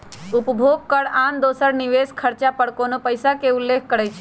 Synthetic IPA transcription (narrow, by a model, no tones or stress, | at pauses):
ʊpbʱoɡ̚kəɽãnd̪osəɽniʋeskʰəɾt͡ʃapəɽkonopəjsakeulːek̚ʰkəɾajt͡ʃʰe̥